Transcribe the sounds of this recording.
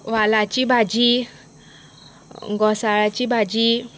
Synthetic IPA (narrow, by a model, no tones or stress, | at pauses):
walat͡ʃibad͡ʒi | ŋɡɔsaɾat͡ʃibad͡ʒi